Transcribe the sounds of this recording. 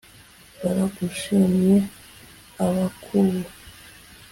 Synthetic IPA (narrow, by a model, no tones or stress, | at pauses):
βaɾaɡuʃimɲje | aβakʰuβu